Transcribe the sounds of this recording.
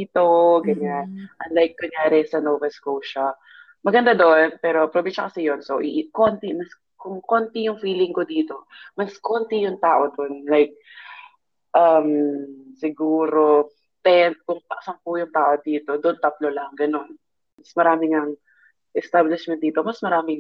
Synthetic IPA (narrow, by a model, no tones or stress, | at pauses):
iːt̪oɡɐɲanʔɐnlajkːɐŋjaːɾɛsɐnoːvɛlskulʃa | mɐɡɐnd̪ad̪oʔonpɛːɾo̞pɾobɛʃɐkɐsijonsoʔɪʔkont̪ɪmɐs | kʊŋko̞nt̪ɪjʊŋfiːlɪŋkod̪iːt̪o̞mɐskont̪ijʊŋt̪aːʔo̞d̪onlajk̚ | ʔɐmsɪɡuːɾo̞ | t̪ɛn̚kʊŋp̪ɐʔsɐŋpʊjʊŋt̪aːʔo̞d̪iːt̪o̞d̪oʔont̪ɐt̪lolɐŋɡɐno̞n | mɐsmɐɾaːmɪŋɐŋ | ʔɛst̪ablɪʃmɛn̚d̪iːt̪o̞mɐsmɐɾaːmɪŋ